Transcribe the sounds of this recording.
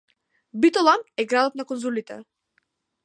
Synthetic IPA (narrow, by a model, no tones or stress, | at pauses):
bit̪ɔlˠamɛɡɾad̪ɔt̪nakɔnzulit̪ɛ̰